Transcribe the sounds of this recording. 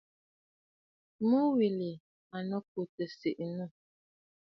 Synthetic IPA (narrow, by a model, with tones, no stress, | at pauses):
mu˦wi˨li˨ | a˨nə˦k̚u˨tə˨si˨ʔnu˦˨